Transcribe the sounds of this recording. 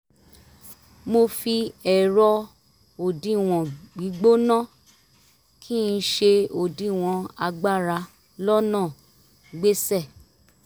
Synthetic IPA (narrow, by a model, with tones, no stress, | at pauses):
mo˧fi˧ɛ˨ɾɔ˧ | o˨dĩ˧˦˨w̃ɔ̃˨ɡ͡bi˨˦ɡ͡bo˦nã˦˨ | kʰi˦n̩˧˦ʃe˧o˨dĩ˨˦˨w̃ɔ̃˧a˧ɡ͡ba˦˨ɾa˧ | lɔ˦nãː˦˨ | ɡ͡be˦sɛ˦˨